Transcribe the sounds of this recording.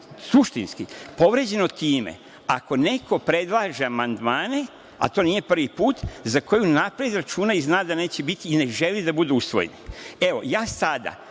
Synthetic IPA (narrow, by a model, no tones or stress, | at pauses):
suʃt̪inskipo̞ʋɾe̞d͡ʑe̞not̪iːmḛ | ako̞ne̞kʰo̞pɾe̞d̪lˠaːʒeamand̪maːne̞ | a̰t̪o̞ːnije̞pr̩ʋipuːt̪zako̞junapɾed̪ɾat͡ʃuːnaiznaːd̪ane̞ːt͡ɕebit̪iːne̞ʒe̞lid̪abud̪uusʋo̞̰jḛnie̞ʋo̞̰jaːsad̪a̰